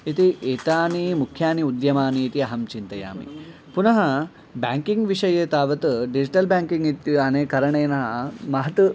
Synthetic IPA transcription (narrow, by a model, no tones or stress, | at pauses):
it̪iʔeːt̪aːnimukʰːjaːniud̪jɐmaːniːt̪iɐɦɐmt͡ʃint̪ɐja̰ːmḭ | punɐɦɐ | baːŋkiŋɡʋiʂɐjeːt̪aːʋɐt̪ɨɖid͡ʒiʈɐlbaːŋkiŋɡit̪iɐneːkɐɾɐɳeːnɐɦɐmɐɦɐt̪u